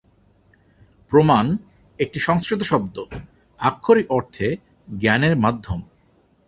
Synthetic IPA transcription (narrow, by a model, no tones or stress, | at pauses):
pɾoman | ek̚ʈiʃɔŋskɾit̪̬oʃɔb̚d̪o | akʰːoɾiʔɔɾt̪ʰe | ɡɛneɾmad̪ʱːom